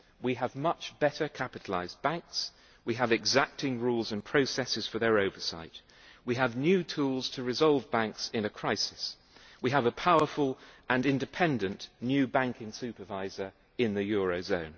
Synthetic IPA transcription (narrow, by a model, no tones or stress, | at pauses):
wiəvmʌt͡ʃb̥ɛɾə˞kʰapɨɾəla̰ɪzbæ̃ŋks | wiəvɨɡzæk̚tɪ̃ŋɹuːlˠzə̃npʰɹ̥oʊsɛsɨz̥fə˞ðə˞oʊvə˞sa̰ɪt̚ | wiəvnjʉtʰulˠz̥tʰəɹɨzɒlˠvbæ̃ŋksɪ̃nɨkʰɹ̥aɪsɪ̥s | wiəvəpʰaʊəfəlˠə̃nɪ̃ndɨpʰɛ̃ndɨ̃nnjʉbæ̃ŋkʰɪ̃ŋsʉpə˞vaɪzə˞ | ɪ̃nðɨjɔɹoʊzõ̰ʊ̃n